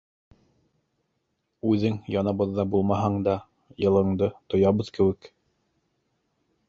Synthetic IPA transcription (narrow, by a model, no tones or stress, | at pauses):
ʉðɘŋjɑnɑβɤ̆ðːɑbulˠmɑɦɑɴd̪ɑ | jɤ̆lˠɤ̆ɴd̪ɤt̪ŏjɑβɤðkɘ̆wɘk